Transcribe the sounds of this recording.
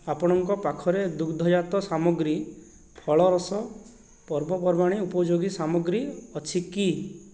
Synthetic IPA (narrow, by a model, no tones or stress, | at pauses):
apɔɽ̃ɔŋkɔpakʰɔɾed̪ukʰd̪ʱɔjat̪ɔsamɔɡɾi | pʰɔɭɔɾɔsɔ | pɔɾbɔpɔɾmaɽ̃iupɔd͡ʒoɡisamɔɡɾiɔt͡ʃʰiki